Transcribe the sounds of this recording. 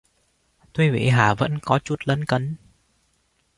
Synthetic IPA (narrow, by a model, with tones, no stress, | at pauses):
t̪o˧jvḭ˧˨ɦaː˧˩və̰˧˥nkɔ˨˦t͡ɕu˨˧˩t̚lə̰˧˦nkə˨˦n